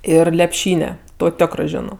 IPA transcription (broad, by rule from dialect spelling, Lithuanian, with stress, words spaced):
ˈɪr lʲɛpʲˈʃʲiːnʲɛ ˈtoː ˈtʲoːkrɜ ˈʒʲæːnoː